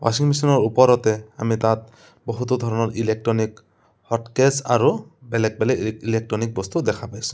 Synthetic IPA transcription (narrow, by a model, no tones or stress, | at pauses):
wa̰siŋmisɔnɔɹupɔɾɔt̪ɛa̰mit̪at̪̚ | bɔɦut̪̬ɔd̪ʱɔɹɔnɔɹʔilek̚ʈɹɔnik | hɔtkɛsaɹubɛlɛk̚bɛlɛilek̚tɹɔnik̚bɔst̪ud̪ɛkʰapajsũ̥